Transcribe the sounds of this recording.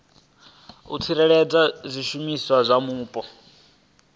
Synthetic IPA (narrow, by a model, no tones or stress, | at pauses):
ṵt͡sʰiɾɛɺɛd͡zazʷiʃumiswazʷamuːpʼɔ